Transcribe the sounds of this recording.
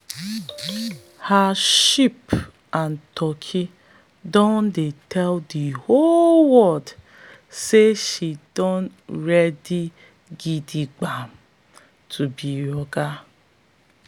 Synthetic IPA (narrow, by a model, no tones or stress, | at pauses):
haʃip | an̩tʰɔkʰi | dɔndetʰɛldiholwɔd | seʃidɔnɾɛdi | ɡidiɡ͡bam̩ | tʰubiɾɔɡa